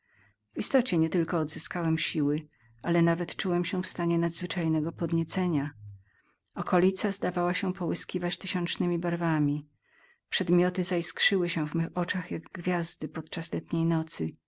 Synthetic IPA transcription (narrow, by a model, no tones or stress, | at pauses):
vist̪ɔt͡ɕɛɲɛt̪ɘlkɔːd̪zɘskawɛmɕiwɘ | alɛnavɛt̪t͡ʂuwɛmɕɛfst̪aɲɛnad̪zvɘt͡ʂajnɛɡɔpɔd̪ɲɛt̪sɛɲa | ɔkɔlʲit̪sazd̪avawaɕɛpɔwɘskʲivat͡ɕt̪ɘɕɔnt͡ʂnɘmʲibaɾvamʲi | pʂɛd̪mʲjɔt̪ɘzajskʂɘwɘɕɛ̃vmɛxɔt͡ʂaxjaɡɡvʲjazd̪ɘpɔt̪t͡ʂaslɛt̪ɲejnɔt̪sɘ